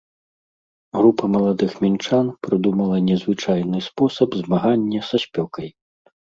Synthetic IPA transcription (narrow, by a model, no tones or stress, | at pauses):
ɣɾupɐmɐlˠad̪ɨxmʲint͡ʂanpɾɨd̪umɐlˠɐnʲɛzvɨt͡ʂajnɨspɔsɐbzmaɣanʲːɐsɐsʲpʲɔkɐj